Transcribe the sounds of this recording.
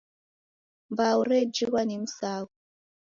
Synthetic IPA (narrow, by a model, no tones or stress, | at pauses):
mbauɾɛd͡ʒiɣwanim̩saːku